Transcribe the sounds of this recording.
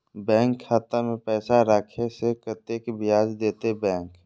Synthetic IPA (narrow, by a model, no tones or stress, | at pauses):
bɛ̃ːŋkʰːaːt̪amẽpɛːsaɾaːkʰesekət̪eːkbʱɪjaːd͡ʒd̪eːt̪ebɛ̃ːŋk